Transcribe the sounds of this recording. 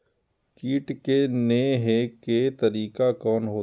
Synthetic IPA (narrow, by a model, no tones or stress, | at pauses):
kiːʈkeneɦeket̪ɐɾiːkakɔːnɦoː